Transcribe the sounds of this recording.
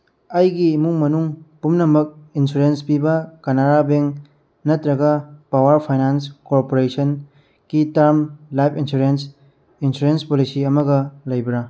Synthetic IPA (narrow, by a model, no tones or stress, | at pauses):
ɐjɡimuŋmɐnuŋpumnɐmɐk̚insuɾenspibɐkɐnaɾabeŋ | nɐtɾɐɡɐpawɐɾpʰajnanskoɾpoɾesɐn | kitaɾmlajpʰinsuɾens | insuɾenspolisiɐmɐɡɐlɐjbɾa